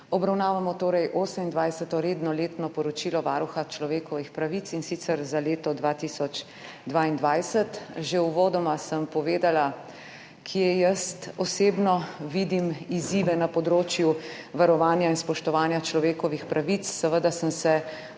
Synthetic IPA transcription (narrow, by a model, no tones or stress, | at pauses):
ɔbɾawnaːʋamɔt̪oːɾɛjʔoːsəmind̪ʋajsət̪ɔɾeːd̪nɔleːt̪nɔpɔɾɔt͡ʃilɔʋaːɾuxat͡ʃlɔʋeːkɔʋixpɾaʋit̪sinsit̪sɛɾzaleːt̪ɔd̪ʋaːt̪isɔt͡ʃ | d̪ʋaːind̪ʋajsət̪ʒeuʋoːd̪ɔmasəmpɔʋeːd̪ala | kʰiɛjəst̪ɔseːbnɔʋid̪imiziːʋɛnapɔd̪ɾoːt͡ʃjuʋaɾɔʋaːnjainspɔʃt̪ɔʋaːnjat͡ʃlɔʋeːkɔʋixpɾaʋit̪sːɛʋəd̪asəmsɛ